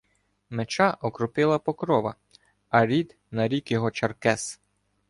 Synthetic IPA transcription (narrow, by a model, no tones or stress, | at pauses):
met͡ʃɑʔɔkɾʊpɪlˠɐpɔkɾɔʋɐ̰ | ɐɾʲid̪ | nɐɾʲikjɔɦɔt͡ʃɐrkɛs